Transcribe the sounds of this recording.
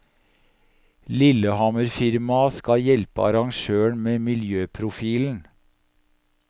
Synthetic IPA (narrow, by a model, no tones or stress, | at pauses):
lɪləhɑməɾfɪɾmɑskɑjɛlpə̰ɑ̰ɾɑŋʃøːəɳmeːmɪljøːpʰɾʊfiːln̩